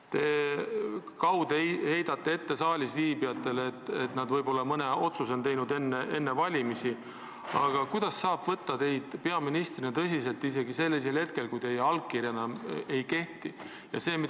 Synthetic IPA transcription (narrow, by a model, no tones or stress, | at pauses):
t̪e̞ | kɑwd̪̥he̞jd̪̥ɑt̪ːe̞e̞t̪ːe̞sɑːlʲisviːbiɑt̪ːˑe̞lːt̪ːet̪nɑd̪̥vɤjbo̞lːɑmɤne̞o̞t̪suso̞nt̪e̞jnud̪e̞nːee̞nːevɑlʲimisi | ɑ̰ɡ̥ɑkujd̪̥ɑsːɑːb̥vɤt̪ːɑt̪e̞jd̪̥pe̞ɑminist̪rinet̪ɤ̞s̬ʲis̬e̞lt̪ːˑis̬e̞ɡise̞lːis̬elhe̞t̪ke̞lkujt̪e̞jeɑlɡ̚kirjɑnɑme̞jke̞ht̪i | jɑ̰se̞ːmi